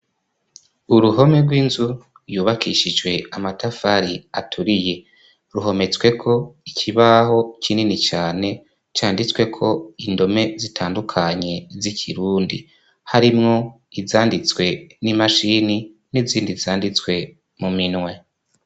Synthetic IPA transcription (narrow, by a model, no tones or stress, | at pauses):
uɾuɦo̞meɾɡwiːnzu | ɾjuːβakʰiʃid͡ʒwe̞amatafaɾiatʰuɾije̞ | ɾuɦo̞me̞t͡swe̞kʰo̞icʰiβaho̞cininit͡ʃaːne̞ | t͡ʃaːndit͡swe̞kʰo̞indo̞me̞zitʰaːndukʰaɲe̞zikʰiɾuːndḭ | haɾimŋo̞ | izaːndit͡swe̞nimaʃini | niziːndizaːndit͡swe̞ | muminŋwe̞